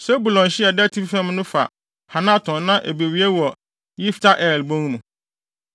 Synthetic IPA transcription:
sɛ˦bu˨lɔ̃˨nɕɪ˦ɛ˨dɛ˦tʰi˦bfɛ̃˦mnʊ̃˦fa̰˨ | ha˨nã˦˨tʰɔ̃˨nnã˦ʔḛ˨be˨wi˦e˦wɔ˨ | jɪ˦ftʰa˦ʔɛː˨lbõ˦ŋnũ˨

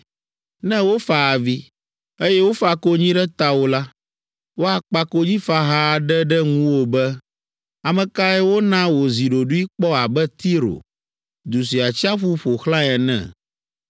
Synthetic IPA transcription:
nɛ̃˦wo˦fa˨a˨vi˦ | e˦jɛ˦wo˦fa˨ko˦ɲĩ˦ɖɛ˦t̪a˦wo˦la˦ | wo˦a˨k͡pa˦ko˦d͡ʑĩ˦fa˦ɦa˦˨ɖɛ˦ɖɛ˦ŋũ˦wo˦bɛ˦ | a˨mɛ̃˨ka˦ɛ˦wo˦nã˦wo˨zi˨ɖo˨ɖu˦i˦k͡pɔ˦a˨bɛ˦t̪i˦ɾo̰˨ | d̪u˨s̬i˨a˨t͡ɕi˦a˦ɸu˦ɸo˨xlã˦ɛ˨nɛ̰̃˦˨

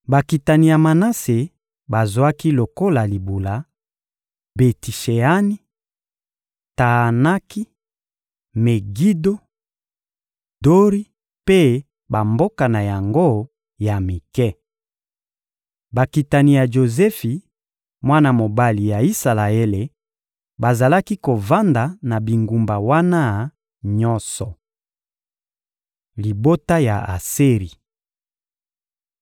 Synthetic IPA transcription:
ba˨ki˨ta˨ni˨ja˨ma˨na˦se˨ | ba˨zwa˦ki˦lo˨ko˦la˨li˨bu˨la˨ | be˨ti˨ʃe˨a˦ni˦ | ta˨a˨na˦ki˦ | me˨ɡi˦do˦ | do˦ʁi˦ | pe˦ | ba˨mbo˦ka˨na˨ja˨ŋɡo˦ | ja˨mi˨kɛ˦ | ba˨ki˨ta˨ni˨ja˨ʒo˨zɛ˦fi˨ | mwa˦na˦˨mo˨ba˦li˨ja˨i˦sa˨la˨ɛ˦le˨ | ba˨za˨la˦ki˦ko˨va˦nda˨na˨bi˨ŋɡu˨mba˨wa˦na˦ | ɲɔ˦nsɔ˨ | li˨bo˦ta˦ja˨a̰˨se˦ʁi˨

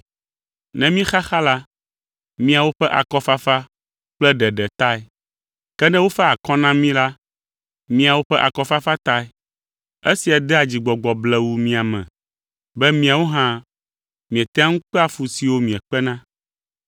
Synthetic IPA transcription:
nɛ̃˦mĩ˦xa˦xa˦la˦ | mĩ˦a˨wo˦ɸɛ˦ʔa̰˨kɔ˦fa˦fa˦ | k͡plɛ˦ɖɛ˨ɖɛ˨t̪a˦ɛ˨ | kɛ˦nɛ̃˦wo˦fɛ˦a˨kɔ̃˦nã˦mĩ˦la˦ | mĩ˦a˨wo˦ɸɛ˦ʔa˨kɔ˦fa˦fa˦t̪a˦ɛ˦ | e˦si˨a˨d̪ɛ˦a˨d͡ʑi˨ɡ͡bɔ˨ɡ͡bɔ˨blɛ˦wu˦mĩ˦a˨mɛ̰̃˨ | bɛ˦mĩ˦a˨wo˦ɦã˦ | mĩ˨ɛ˨t̪ɛ̃˦a˦ŋũ˦k͡pɛ˦a˨fu˨si˨wo˦mĩ˨ɛ˨k͡pɛ˦nã˦

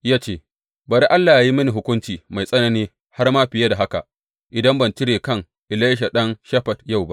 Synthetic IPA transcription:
jaː˦t͡ʃeː˦˨ | baː˨ɾi˦ʔa˦lːaː˨ja˨ji˦mɐ˦ni˨ɦʊ˦kʷʊ˦nt͡ʃiː˨ma˨jsʼɐ˦nɐ˦niː˦ | ha˦rmaː˦ɸɪ˨ja˦da˨ɦa˦ka̰˨ʔ | ʔɪ˨dɐ˦mbɐ˨nt͡ʃɪ˦ɽeː˨kɐ˦˨ŋ | ʔɪ˨la˦jʃ̬a˨ɗɐ˦nʃɐ˦ɸɐ˨tja˦˨wba˦ʔ

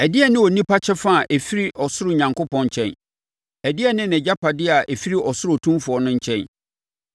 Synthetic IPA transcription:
æ˨dɪ˦ɛ˨nɪ̃˦ɔ˨nĩ˦pʰa˦t͡ɕʰɛ˦fa˦a˨ʔɛ˨fi˦ɾi˦ʔɔ˨sʊ˦ɾʊ˦˨ɲã˨ŋkʊ˦pɔ̃˨ɲ˨t͡ɕʰɛ̰̃˦n | æ˨dɪ˦ɛ˦nɪ̃˦nɛ̃˨d͡ʑa˦pʰa˨dɪ˦˨a˨ʔɛ˨fi˦ɾi˦ʔɔ˨sʊ˦ɾʊ˦˨tʰũ˦mfʊ˨ɔ˨˦nʊ̃˦ɲ̩˦t͡ɕʰɛ̃˦n

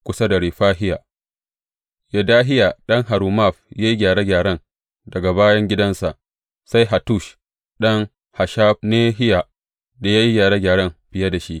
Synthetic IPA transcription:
kʷʊ˦sa˦da˨ɽiː˨ɸaː˦ɦɪ˦jaː˨ | jɐ˨daː˦ɦɪ˦ja˨ɗɐ˦ŋɦa˨ɾuː˨ma˦˨ɸjaː˦ji˦ɡʲaː˨ɽe˦ɡʲaː˨ɽɐ˦ŋ | dɐ˨ɡa˨baː˦jɐ˦ŋɡʲɪ˦dɐ˦nsa˨ʔ | sa˦jɦa˨tu˦˨ʃ | ɗɐ˦ŋ | ha˨ʃaː˦ɸneː˦ɦɪ˦ja˨ | da˨jaː˦ji˦ɡʲaː˨ɾe˦ɡʲaː˨ɽɐ˦mɸɪ˨jɐ˦da˨ʃi˦ʔ

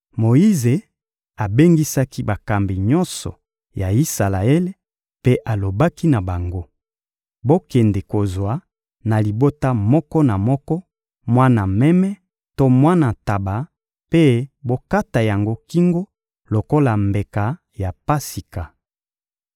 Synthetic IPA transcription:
mo˨i˦ze˨ | a˨be˦ŋɡi˦sa˦ki˦ba˨ka˨mbi˨ɲɔ˦nsɔ̰˨ | ja˨i˦sa˨la˨e˦le˦ | pe˦ʔa˨lo˨ba˦ki˦na˨ba˨ŋɡo˦ | bo˦kɛ˨nde˨ko˨zwa˨ | na˨li˨bo˦ta˦mɔ˦kɔ˦na˨mɔ˦kɔ˦ | mwa˦na˨mɛ˦mɛ˦ | to˦mwa˦na˨ta˨ba˨ | pe˦bo˦ka˦ta˨ja˨ŋɡo˦ki˦ŋɡo˦ | lo˨ko˦la˨mbe˨ka˨ | ja˨pa˦si˨ka˨

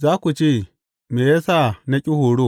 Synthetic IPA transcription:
zaː˦ku˨t͡ʃe˦˨ | me˨je˦sa˦na˦kʲʼi˦hoː˨ɽo˦˨

